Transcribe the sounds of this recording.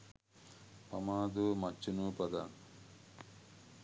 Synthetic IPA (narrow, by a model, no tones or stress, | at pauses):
pɐmaːd̪umɐt͡ʃːunupɐd̪a̰ːn